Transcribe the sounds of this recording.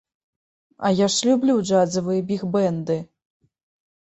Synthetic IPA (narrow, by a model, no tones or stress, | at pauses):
ɐ̰jaʂlʲublʲud͡ʐad̪zɐvɨjɛbʲixbɛnd̪ɨ